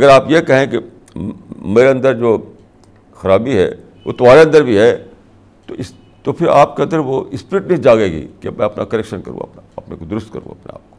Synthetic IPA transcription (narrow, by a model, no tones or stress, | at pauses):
ɐɡəɾaːpjekɐɦẽke | meːɾeɐ̃nd̪əɾd͡ʒoː | xɐɾaːbiɦɛ̰ː | ʋo̰t̪ɐʋaːɾeɐ̃nd̪əɾbʱiɦɛ | t̪o̰ɪs | t̪opʰɪɾa̰ːpkeɐ̃nd̪əɾʋoɪspɾɪʈnɐɦĩd͡ʒaːɡɐeːɡḭkemɛ̃ɐpna̰kɐɾɛekʃənkɐɾṵ̃ɐ̰pnaɐpnḛkod̪ʊɾʊst̪̚kɐ̰ɾṵ̃ɐ̰pnḛa̰ːp̚ko̥